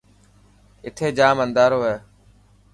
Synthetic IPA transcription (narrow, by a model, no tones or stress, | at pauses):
ɪt̪ʰeːd͡ʒaːmənd̪aːɾoːɦeː